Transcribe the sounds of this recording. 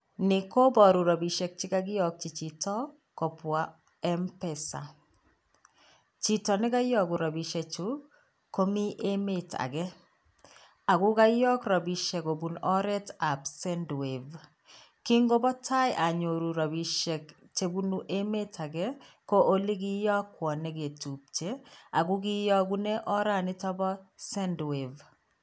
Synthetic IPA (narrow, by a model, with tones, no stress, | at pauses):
nɪ˨ko˦bɔ˨ɾu˨ɾa˨bi˨ʃɛ˨k̚t͡ʃɪ˦ka˦ɡɪ˦jɔ˨k̚t͡ʃi˨t͡ʃi˨tɔ˦ | kɔ˨pwa˨ | ɛ˦mpɛ˨sa̰˨ | t͡ʃi˦tɔ˨nɪ˦ka˦jɔ˦ɡu˨ɾa˨bi˨ʃe˨t͡ʃu˦ | ko˦mi˦ʔe˦me˦ta̰˨ɡɛ˦ | a˨ɡʊ˦ka˦jɔ˦kɾa˨bi˨ʃɛ˨ko˨bu˨nɔ˦ɾɛ˦ta˨psɛ˦ndwe˨v | ki˦ŋɡo˦bɔ˦tʰa˦jʔa˨ɲo˨ɾu˨ɾa˨bi˨ʃe˨k | t͡ʃe˨bu˦nu˨ʔe˦me˦tʰa˨ɡɛ˦ko˦ʔo˦li˦ɡɪ˦jɔ˦kːwɔ˨ne˦ɡe˨tu˨p̚t͡ʃe˦a˨ɡu˦ɡi˦jɔ˦ɡu˦ne˦ʔɔ˦ɾa˦˨nɪ˦tɔ˦bɔ˦sɛ˦ndwe˨v